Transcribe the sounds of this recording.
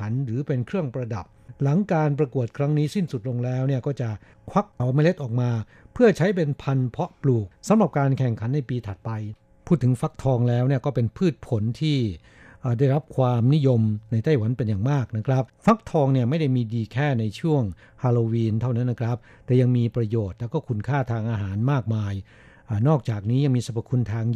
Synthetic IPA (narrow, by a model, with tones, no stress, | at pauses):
a˩˦nɾɯː˩˦pe˧nkʰɾɯ˥˩əŋpɾa˧da˨˩p̚la˩˦ŋkaː˧np̬ɾa˧ku˨˩ət̪̚kʰɾa˦˥ŋniː˦˥si˥˩nsu˨˩t̪̚lo˧ŋlɛː˦˥wni˥˩ɐkɔː˥˩t͡ɕa˨˩ʔ | kʰwa˦˥k̚a˨˩wma˥˩jle˦˥t̪̚ʔɔː˨˩k̚maː˧ | pʰɯ˥˩ɐt͡ɕʰa˦˥jp̬e˧npʰa˧npʰɔ˦˥pluː˨˩k̚sa˨˦mɾa˨˩p̚kaː˧nkʰɛ˨˩ŋkʰa˩˦nːa˧jpiː˧t̪ʰa˨˩t̪̚pa˧j | pʰu˥˩t̪ʰːɯ˩˦ŋfa˦˥k̚t̪ʰɔː˧ŋlɛː˦˥wni˥˩ɐkɔː˥˩pe˧npʰɯː˥˩t̪̚pʰo˩˦nt̪ʰiː˥˩ | ʔːda˥˩jɾa˦˥p̚kʰwaː˧mni˦˥jo˧mna˧jt̪a˥˩jwa˩˦npe˧njaː˨˩ŋmaː˥˩k̚na˦˥kʰɾa˦˥p̚fa˦˥k̚t̪ʰɔː˧ŋni˥˩ɐma˥˩jda˥˩jmiː˧diː˧kʰɛː˥˩na˧jt͡ɕʰu˥˩əŋ | kʰaː˧loː˧wiː˧nt̪ʰa˥˩wna˦˥nːa˦˥kʰɾa˦˥p̚t̪ɛː˨˩ja˧ŋmiː˧pɾa˧joː˨˩t̪̚lɛː˦˥wkɔː˥˩kʰu˧nkʰaː˥˩t̪ʰaː˧ŋʔaː˧ɦaː˩˦nmaː˥˩k̚maː˧j | ʔaː˨˩nɔː˥˩k̚t͡ɕaː˨˩k̚niː˦˥ja˧ŋmiː˧sa˧pʰa˨˩kʰːu˧nt̪ʰaː˧ŋ